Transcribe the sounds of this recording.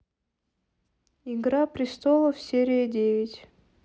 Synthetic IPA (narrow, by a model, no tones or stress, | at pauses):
iɡɾapɾʲɪst̪olˠəfsʲeɾʲɪjədʲevʲɪtʲ